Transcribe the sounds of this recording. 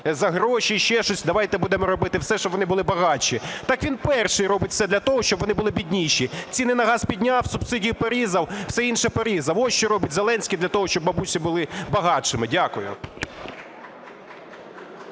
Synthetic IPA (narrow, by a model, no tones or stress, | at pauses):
zɐɦɾɔʃʲiʃt͡ʃɛʃt͡ʃɔsʲd̪ɐʋɑjt̪ɛbud̪ɛmɔɾɔbɪt̪ɪwsɛʃt͡ʃɔbʋɔnɪbʊlˠɪbɐɦɑt͡ʃʲit̪ɑkʋʲinpɛrʃɪjɾɔbɪtʲfsɛd̪lʲɐt̪ɔɦɔʃt͡ʃɔbʋɔnɪbʊlˠɪbʲidʲnʲiʃʲit͡sʲinɪnɐɦɑspʲidʲnʲɑwsʊb̥sɪdʲijʊpɔɾʲizɐwwsɛinʃɛpɔɾʲizɐwɔʃt͡ʃɔɾɔbɪtʲzelˠɛnʲsʲkʲid̪lʲɐt̪ɔɦɔʃt͡ʃɔbːɐbusʲibʊlˠɪbɐɦɑt͡ʃɪmɪdʲakʊjʊ̰